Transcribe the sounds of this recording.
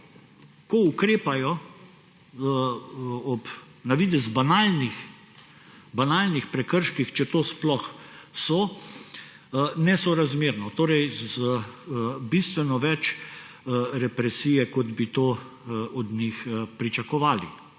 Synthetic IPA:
kɔukɾeːpajɔ | ɔp | naʋiːd̪ɛzbanaːlnix | banaːlnixpɾɛkəɾʃkixt͡ʃɛt̪oːsplɔxsɔ | nɛsɔɾazmeːɾnɔt̪oːɾɛjzə | bist̪ʋɛnɔʋɛt͡ʃ | ɾɛpɾɛsiːjɛkɔd̪bit̪oː | ɔd̪nʲixpɾit͡ʃakɔʋaːlḭ

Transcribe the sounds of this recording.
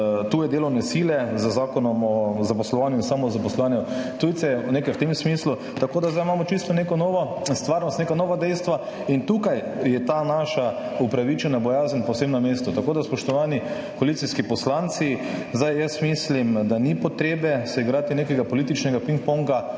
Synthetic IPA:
t̪uːjɛd̪eːlɔwnɛsiːlɛzəzaːkɔnɔmɔzapɔslɔʋanjuinsaːmɔzapɔslɔʋaːnjut̪ujt̪sɛwnekajwt̪emsmislu | t̪akoːd̪azd̪ajmaːmɔt͡ʃist̪ɔnekɔnɔːʋɔ | st̪ʋaːɾnɔst̪nekanɔːʋad̪ɛjst̪ʋa | int̪ukaj | jɛt̪anaʃaupɾaʋit͡ʃɛnabɔjaːzənpɔwseːbnameːst̪ɔt̪akoːd̪aspɔʃt̪ɔʋaːni | koalit̪siskipɔslant̪sizd̪ajjəsmislimd̪anipɔt̪ɾeːbɛsɛiɡɾaːt̪ineːkɛɡapɔliːt̪it͡ʃnɛɡapĩŋk̚pɔŋɡa

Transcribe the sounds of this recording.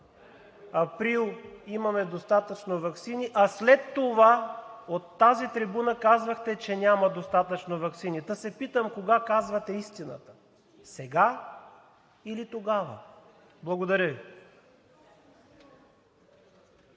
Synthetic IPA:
ɐpɾilˠimɐmɛd̪ost̪at̪ət͡ʃnovɐksiniʔɐslɛt̪ːovaot̪ːazit̪ɾibunəkazvəxt̪ɛt͡ʃɛnʲamɐd̪ost̪at̪ət͡ʃnovɐksinid̪əsɛpit̪əmkoɡakazvɐt̪ɛist̪inə̰t̪ə̥ | sɛɡa | ilit̪oɡavə̰ | blˠɐɡod̪ɐɾʲəvi

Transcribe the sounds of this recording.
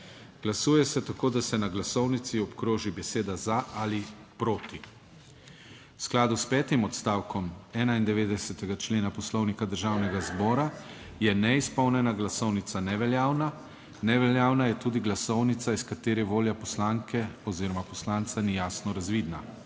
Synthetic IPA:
ɡ̥lasuːjɛsɛt̪akoːd̪asɛnaɡlasɔwnit̪siɔpkɾoːʒibɛseːd̪azaʔalipɾoːt̪i | wsklaːd̪uspɛːt̪imɔt̪st̪aːwkɔmɛːnaind̪ɛʋeːd̪ɛsɛt̪ɛɡat͡ʃleːnapɔslɔwnikad̪əɾʒaːwnɛɡazbɔːɾa | jɛnɛispɔwnɛnaɡlasɔwnit̪sanɛʋɛljaːwna | nɛʋɛljaːwnajɛt̪uːd̪iɡlasɔwnit̪saiskat̪eːɾɛʋoːljapɔslaːŋkʰɛɔziːɾɔmapɔslaːnt̪sanijaːsnɔɾazʋiːd̪na

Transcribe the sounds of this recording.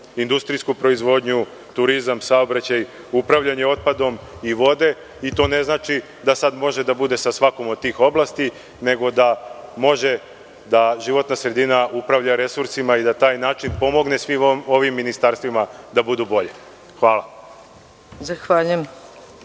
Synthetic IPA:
ind̪ust̪ɾijskupɾo̞izʋo̞d̪ɲu | t̪uɾizamsaobɾat͡ɕaj | upɾaʋʎaɲeo̞t̪̚pad̪o̞miʋo̞d̪e̞ | it̪o̞ːne̞znaːt͡ʃi | d̪asad̪mo̞ʒe̞d̪abud̪e̞sasʋako̞mod̪̚t̪iːxo̞blaːst̪i | ne̞ɡo̞d̪amo̞ʒe̞ | d̪aʒiʋo̞t̪nasɾe̞d̪inaupɾaʋʎaɾe̞suɾsimaid̪at̪aːjnaːt͡ʃinpo̞mo̞ɡne̞sʋimoʋimːinist̪aɾst̪ʋimad̪abud̪ubo̞ʎe | xʋaːla | zaxʋaːʎujem

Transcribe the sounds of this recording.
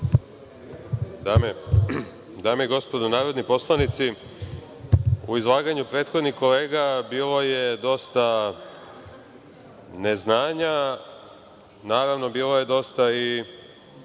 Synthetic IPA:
ame | d̪aːmeiɡo̞spo̞d̪onaːɾo̞d̪nipo̞slˠanit̪si | uizlˠaːɡaɲupɾe̞ːt̪xo̞d̪nixko̞le̞ːɡabiːlo̞je̞d̪o̞st̪a | ne̞znaːɲa | naːɾaʋno̞biːlo̞je̞d̪o̞st̪ai

